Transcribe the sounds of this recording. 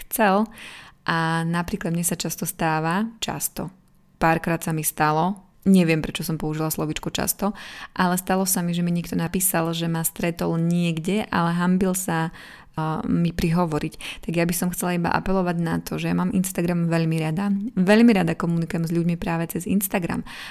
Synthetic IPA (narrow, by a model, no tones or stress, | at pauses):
xt͡sɛlʔanapɾiːklad̪̚mɲɛsat͡ʃast̪ɔst̪aːʋat͡ʃa̰st̪ɔ | paːɾkɾaːt̪samist̪alɔ | ɲɛʋɪɛmpɾɛt͡ʃɔsɔmpɔuʒilaslɔʋiːt͡ʃkut͡ʃa̰st̪ɔʔalɛst̪alɔsamiʒɛmiɲikt̪ɔnapiːsalʒɛmast̪ɾɛt̪ɔlɲɪɛɡɟɛʔa̰lɛɦambilsa | mipɾiɦɔʋɔɾict̪aɡjabisɔmxtt͡sɛlaiba̰ʔa̰pɛlɔʋaɟnat̪ʰɔʒɛjamaːmʔinst̪aɡɾamʋɛʎmiɾad̪aʋɛʎmiɾad̪akɔmunikujɛmzʎuɟmipɾaːʋɛt͡sɛzḭnst̪aɡɾa̰m